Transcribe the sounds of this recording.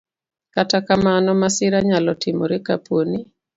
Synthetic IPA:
katakamanɔmasɪɾaɲalɔtɪmo̰ɾɛkapwoni

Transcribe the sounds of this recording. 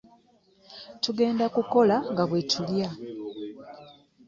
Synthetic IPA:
tuɡe̞ːndakuko̞laŋɡaβwe̞tʰulja

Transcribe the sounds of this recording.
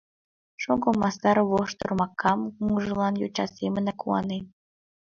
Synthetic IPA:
ʃoɡomɑst̪ɑɾβoʃt̪ɤ̆rmɑkːɑmkuŋʒɤ̆lˠɑnjot͡ɕɑ̰semə̆nɑkuɑ̰ne

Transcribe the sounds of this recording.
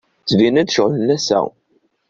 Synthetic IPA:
t͡sːvinæd̪ʃoʁlənæsæ̰

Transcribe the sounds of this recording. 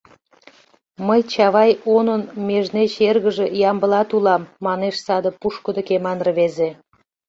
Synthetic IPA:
məjt͡ɕɑβɑjonənmeʒnet͡ɕerɣəʒejɑmbəlɑt̪ulɑmːɑneʃsɑd̪ə̆puʃkəd̪əkemɑnrβeze

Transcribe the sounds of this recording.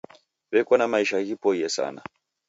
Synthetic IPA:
βɛkɔnamaiʃaɣipɔijɛsa̰na̰

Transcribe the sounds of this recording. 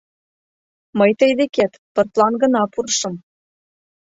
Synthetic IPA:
məjt̪əjd̪ekæt̪pɤ̆rt̪lˠɑnɡɤ̆nɑpurʃɤ̆m

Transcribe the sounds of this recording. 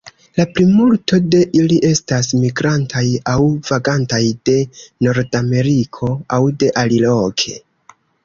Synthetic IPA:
laplimulto̞de̞ʔiliʔe̞stasmiɡɾantʰajawv̥aɡantajde̞no̞ɾdame̞ɾikʰo̞awde̞ʔalilo̞kʰe̞

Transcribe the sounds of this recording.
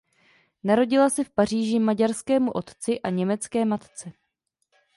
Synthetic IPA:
naɾo̞ɟɪlasɛfpar̝iːʒɪmaɟaɾskɛːmuʔo̞t̪t͡sɪʔaɲɛmɛt͡skɛːmat̪t͡sɛ

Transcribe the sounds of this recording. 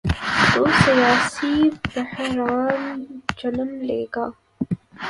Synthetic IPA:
t̪osijaːsibahɾaːnd͡ʒɐnəmlḛːɡaː

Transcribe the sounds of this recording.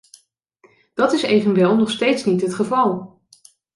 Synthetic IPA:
d̥ɑtɪsejvənʋɛlˠnɔχstejtsnitɦətχəvɑlˠ

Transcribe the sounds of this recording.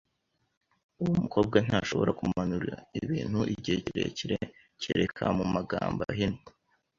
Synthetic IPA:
uwumuko̞ːb̚ɡan̥haʃo̞βo̞ɾakumanuɾiɾaiβiːn̥huʔiɟieciɾḛciɾe | ciɾekʰamumaɡaːmbaɦino

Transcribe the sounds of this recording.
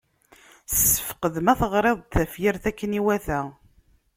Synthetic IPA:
sə̥fə̥qəðəmæθəʁɾˤeðˤθæfjiɾθækːəniwæθæ

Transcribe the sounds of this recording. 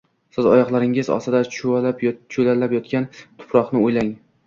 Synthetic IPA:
sɪzɒ̰jɒχlˠaɾɪŋɪzɒ̰sɪd̪at͡ʃʰʊalapt͡ʃʰʊlalapjɒt̪kʲant̪ʰʊ̥pʰɾɒχnɪojlaŋ

